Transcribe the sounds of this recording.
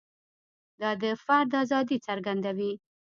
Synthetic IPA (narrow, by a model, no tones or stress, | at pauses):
d̪ɑd̪əfaɾd̪ɑzɑd̪it͡saɾɡand̪awi